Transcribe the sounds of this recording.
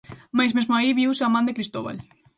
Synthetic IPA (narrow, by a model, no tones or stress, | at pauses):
majzmezmoaiβiwsamãnd̪ekɾist̪oβa̰l